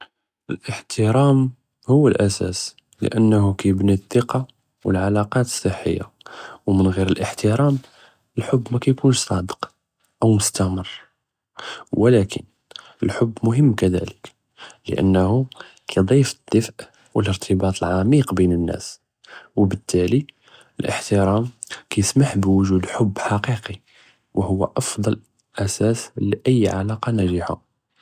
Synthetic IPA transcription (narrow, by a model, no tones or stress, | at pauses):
ʔəlʔəħt̪əɾæm | hʊwːəlʔæsæ̰s | lə̰ʔənːhukæjəbniθːəqɑ | wə̰lʕalɑqɑt̪ə̥sˤːəħːə̰jːa̰ | wmənɣiɾəlʔəħt̪əɾɑm | əlħʊbːmækæjkunʃsˤɑd̪ə̥q | ʔəwmʊst̪æmərˤː | wəlækʰə̰n | əlħʊbːmʊɦəmːkæd̪æ̰lək | lə̰ʔə̰nːhu | kʰæjd̪ˤifəd̪̥ːəfʔ | wələɾt̪ʰəbɑt̪ˤəlʕamiqbinənːæ̰s | wəbət̪ːæli | əlʔə̰ħt̪əɾɑmkæjəsmaħbwʊʒud̪ħʊbːħaqiqi | wəhʊwːæ̰ʔɑfd̪ˤɑl | ʔæsæsliʔəjːʕa̰lɑqɑnæʒəħa̰